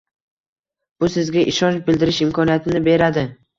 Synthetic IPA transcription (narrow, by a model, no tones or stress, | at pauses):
b̥ʊsɪzɡʲaʔɪʃɒnt͡ʃbɪld̪ɪɾɪʃɪmkʰɒnijat̪ʰɪnɪbe̞ɾad̪ɪ